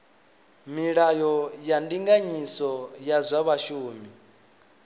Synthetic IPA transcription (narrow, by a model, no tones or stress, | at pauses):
miɺajɔjandiŋɡaɲisɔjazʷaβaʃuːmi